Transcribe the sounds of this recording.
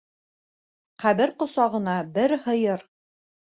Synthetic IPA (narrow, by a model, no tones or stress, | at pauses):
qæβɘɾqŏsɑʁɤ̆nɑbɘɾhɤ̆jɤɾ